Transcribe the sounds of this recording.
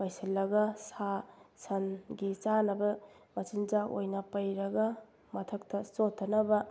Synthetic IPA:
pɐjsɐlːɐɡɐsasɐnɡit͡ʃanɐbɐ | mɐt͡ʃind͡ʒao̰jnɐpɐjɾɐɡɐ | mɐtʰɐk̚tʰɐsotʰːɐnɐbɐ

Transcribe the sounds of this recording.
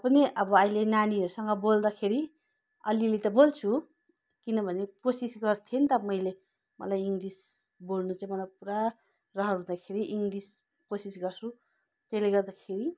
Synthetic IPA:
pʌniʔʌbʌʌjlenaniɦʌɾusʌŋɡʌbold̪akʰeɾi | ʌ̰lilit̪ʌbolt͡sʰu | kinʌbʱʌneposisɡʌrt̪ʰent̪ʌmʌjle | mʌ̰lajiŋɡɾisbolnut͡saĩmʌlapuɾa | rʌɦʌɾɦũd̪akʰeɾiʔiŋɡɾis | kosisɡʌrsu | t̪eleɡʌrd̪akʰeɾi

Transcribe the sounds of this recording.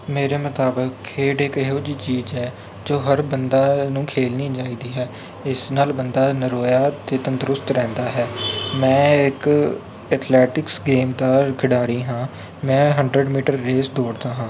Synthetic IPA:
meːɾeːmət̪aːbəkʰːeːɖɪkɪɦoːd͡ʒiːt͡ʃiːzɦɛː | d͡ʒoːɦəɾbənd̪aːnũːkʰeːlnĩːd͡ʒaːiːd̪iːɦɛː | ɪsnaːlbənd̪aːnəɾoːjaːt̪eːt̪ənt̪ɾʊst̪ɾɛ̃ːnd̪aːɦɛːmɛ̃ːɪk | ɛːt̪ʰlɛːʈɪksɡeːmd̪aːkʰɪɽaːɾiːɦãː | mɛ̃ːɦəɳɖɾəɖmiːʈəɾːeːsd̪oːɽd̪aːɦãː

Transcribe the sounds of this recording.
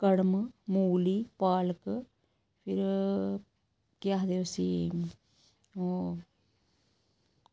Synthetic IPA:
kɐɽɐmɨmuːlipaːlkːɨ | fʰiɾ | kjaːɦd̪eʋɐsi | o

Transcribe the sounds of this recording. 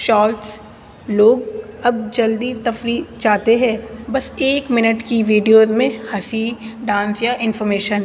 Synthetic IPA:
ʃɔːlʈs | loːɡɐb̚d͡ʒɐld̪it̪ɐfɾiːt͡ʃaːt̪eɦɛ̃ːbɐseːkmɪnəʈkiʋiːɖijoːzmẽhɐsiɖãːnsjaʔɪ̃nfɔːɾmeːʃən

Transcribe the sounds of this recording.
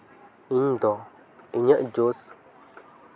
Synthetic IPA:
iɲd̪ɔ | iɲəʔd͡ʒos

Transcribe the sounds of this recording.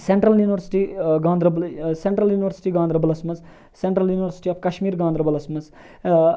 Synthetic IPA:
seɳʈɾɐljuːniʋɐɾsi̥ʈiɡãːnd̪ɾɐbseɳʈɾɐljuːniʋɐɾsi̥ʈiɡãːnd̪ɾɐbɐlɐsmɐz | seɳʈɾɐljuːniʋɐɾsi̥ʈiɐpkɐʃmiːɾɡãːnd̪ɾɐbɐlɐsmɐz

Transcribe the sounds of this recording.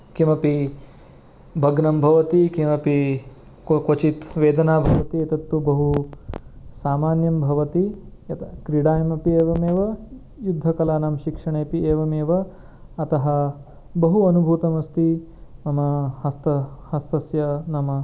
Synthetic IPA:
kimɐpi | bʱɐɡnɐmbʱɐʋɐt̪ikimɐpi | kkɐt͡ʃit̪ʋeːd̪ɐnaːbʱɐʋɐt̪iɐt̪ɐt̪ːubɐɦu | saːmaːnjɐmbʱɐʋɐt̪iɐt̪ɐkɾiɽaːjɐmɐpieːʋɐmeːʋɐ | jud̪ʱːɐkɐlaːnamʃikʂɐɳeːpieːʋɐmeːʋɐ | ɐt̪ɐɦɐ | bɐɦuɐnubʱuːt̪ɐmɐst̪i | nɐmɐhɐst̪ɐhɐst̪ɐsjɐnɐmɐ

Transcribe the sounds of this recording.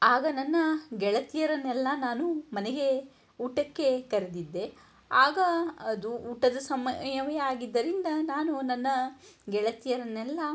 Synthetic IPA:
aːɡɐnɐnːɐɡɛɭɐt̪ijɐɾɐnːɛlːɐnaːnumɐneɡe̞ | uːʈɐkːe̞kɐɾed̪id̪ːe | aːɡɐɐd̪uuːʈɐd̪ɐsɐmɐjɐʋɐjɐaːɡid̪ːɐɾind̪ɐnaːnunɐnːɐɡɛɭɐt̪ijɐɾɐnːɛlːɐ

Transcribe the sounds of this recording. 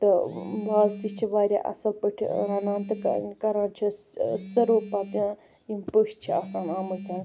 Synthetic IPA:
t̪ɨʋaːzt̪it͡ʃʰiʋaːɾʲa̰ːʔɐ̰sɐlpəʈʲʰɾɐnaːnt̪ɨ̰kɐɾaːnt͡ʃʰisɐɾoːpat̪ɐ̃ | impəʃt͡ʃʰiaːsaːnaːməlt̪an

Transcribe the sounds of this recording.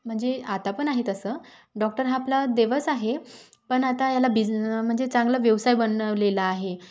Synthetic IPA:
m̤əɳd͡zeat̪apəɳaɦet̪əsəː | ɖɔk̚ʈəɾɦaːplad̪eʋəsaɦe | pəɳat̪ajalabim̤əɳd͡zet͡sãŋɡlaʋjeʋsajbənəʋlelaːɦe

